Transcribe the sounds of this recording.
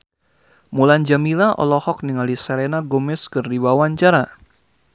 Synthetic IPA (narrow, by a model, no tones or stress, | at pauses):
muland͡ʒamilaʔɔ̰lɔhɔk̚niŋalisɛɾenaɡomɪskɨrːiwawaɲt͡ʃaɾa